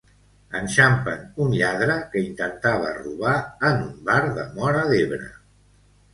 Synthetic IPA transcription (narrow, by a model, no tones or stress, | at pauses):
ənʃampənunʎaðɾəkəint̪ənt̪aβ̞ə̰rṵβaənumbaɾðəmɔɾəðeβɾə̰